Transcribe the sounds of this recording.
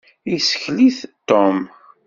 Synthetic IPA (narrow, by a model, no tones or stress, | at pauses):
isə̥çliθt̪ːom